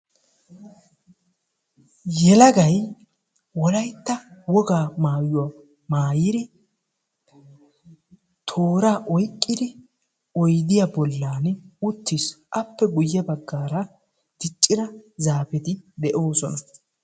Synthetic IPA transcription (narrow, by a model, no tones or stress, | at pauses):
jɛlɐɡɐj | wɔlɐjt̪ːɐwɔɡaːmaːjʊwɐ | maːjɪd̪ɪ | t̪ʰo̞ːɾaːʔɔjkʼːɪd̪ɪ | ɔjd̪ɪjabɔlːaːnʊt̪ːɪsʔɐpːɛɡʊjːɐbɐɡːaːɾɐ | t̪ɪt͡ʃʼːɪɾɐzaːfɛt̪ɪd̪ɛʔo̞ːsɔnɐ